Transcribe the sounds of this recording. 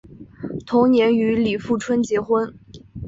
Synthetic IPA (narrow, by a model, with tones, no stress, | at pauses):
t̪ʰʊ˧˥ŋnjɛ˧˥ny˧˥li˨˩fu˥˩ʈ͡ʂʰwə˥nt͡ɕjɛ˧˥xwə˥n